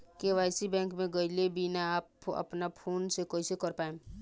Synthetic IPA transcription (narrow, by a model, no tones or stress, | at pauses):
keʋaːjsibɛ̃ːŋkmẽɡəɪlebʱinaːpɐ̰pnapʰoːnsekoisekəɾpaːẽː